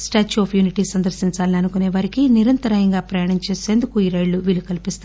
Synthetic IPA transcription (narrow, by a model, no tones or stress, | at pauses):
sʈaːt͡ʃːoːpʰjuːniʈiːsɐnd̪ɐɾsiɲt͡ʃaːlniɐnukuneːʋaɾikiniɾɐnt̪ɐɾajɐŋɡaːpɾɐjaːɳɐmt͡ʃeːse̞ːnd̪ukuiːɾɐjɭuʋiːlukɐlipist̪a